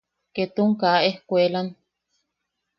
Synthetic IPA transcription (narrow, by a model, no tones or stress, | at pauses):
ket̪uŋkaʔehkʷelan